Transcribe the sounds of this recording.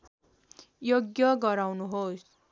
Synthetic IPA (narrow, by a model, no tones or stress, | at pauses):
joɡjʌɡʌɾawnuɦos